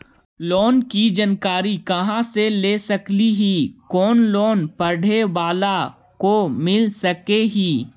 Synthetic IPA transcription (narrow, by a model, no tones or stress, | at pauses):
lɔːnkid͡ʒɐnkaːɾikɐɦãseleːsɐkliɦiːkɔːnloːnpɐɽeʋaːla | komɪlsɐkeɦiː